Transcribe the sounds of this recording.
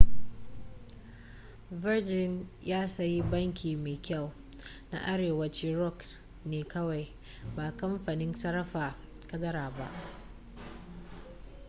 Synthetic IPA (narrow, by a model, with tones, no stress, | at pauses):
vɪ˦rd͡ʒɪ˦njaː˦sɐ˦ji˦bɐ˦ŋkʲiː˨meː˨kʲa˦˨w | na̰˦ʔa˦ɽeː˨wɐ˦t͡ʃiː˦ɾɔ˦˨k | neː˨kɐ˦wa˨j | baː˨kɐ˦mɸa˨nɪ˦nsɐ˦ɾɐ˦ɸaː˨ | kɐ˦dɐ˦ɾaː˨ba̰˦ʔ